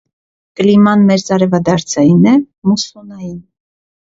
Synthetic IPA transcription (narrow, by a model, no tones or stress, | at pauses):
kəlimɑnmɛɾzɑɾɛvɑd̪ɑɾt͡sʰɑjinɛ | musunɑjin